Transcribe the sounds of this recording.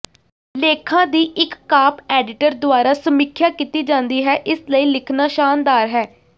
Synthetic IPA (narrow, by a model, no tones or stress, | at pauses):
leːkʰãːd̪iːʔɪkːaːpɛːɖɪʈəɾd̪ʊaːɾaːsəmɪkʰjaːkiːt̪iːd͡ʒãːnd̪iːɦɛːʔɪsləiːlɪkʰnaːʃaːnd̪aːɾɦɛː